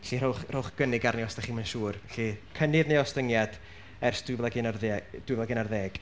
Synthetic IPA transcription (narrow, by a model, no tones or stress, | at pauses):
ɬirowχrʊwχɡ̥ənɪɡarniɔstaχiːmənʃuːrɛɬikʰənɪðnejɔstəŋjad̥ | ɛrsd̥ʊvlˠaɡɪnarðd̥wʊɪvlˠaɡɪnarðɛːɡ̥